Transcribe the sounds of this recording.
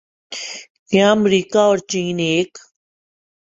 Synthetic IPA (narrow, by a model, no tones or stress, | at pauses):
kjãəmɾiːkaɔːɾt͡ʃiːneːk